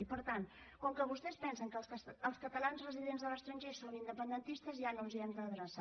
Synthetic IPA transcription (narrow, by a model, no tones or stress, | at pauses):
ipəɾt̪an | kɔŋkəβust̪ɛspɛnsəŋkəsəəlˠskət̪əlanzrəziðenzðələst̪ɾəɲʲʒesonind̪əpənd̪ənt̪ist̪əzianonziɛmd̪əðɾəsa